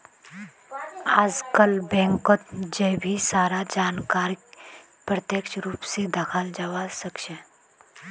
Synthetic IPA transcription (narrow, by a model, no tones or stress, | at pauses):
aːd͡ʒkəlbɛ̃ːŋkot̪d͡ʒɛbʱisaːɾad͡ʒaːnkaːɾik | pɾət̪jəkʃɾuːpsed̪əkʰald͡ʒaʋasəkʃə